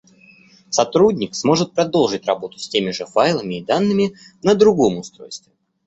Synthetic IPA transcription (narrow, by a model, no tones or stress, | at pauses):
sɐt̪ɾudʲnʲɪksmo̞ʐɨt̪̚pɾɐd̪o̞lˠʐɨtʲrɐbo̞t̪ʊ̥sʲtʲemʲɪʐɨfajlˠəmʲɪːd̪anːɨmʲɪ | nəd̪ɾʊɡo̞mʊst̪ɾo̞̰jst̪vʲɪ